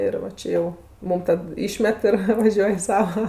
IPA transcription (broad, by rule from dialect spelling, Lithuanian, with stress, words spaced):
ɪr ʋɐ ˈt͡ʃʲeː jɛʊ ˈmʊm tɐt ˈiːʃʲmʲɛt ɪr ʋɐˈʒʲuɔj ɪ ˈsɑːʋɐ